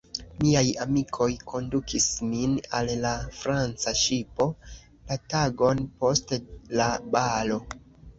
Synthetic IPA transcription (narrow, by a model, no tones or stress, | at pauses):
miajamikʰo̞jkʰo̞ndukʰisminalːafɾant͡saʃipo̞ | lataɡo̞npo̞stelabalo̞